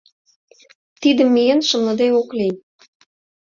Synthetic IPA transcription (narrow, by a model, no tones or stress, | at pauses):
t̪id̪ə̆mːijenʃə̆mlə̆d̪eokli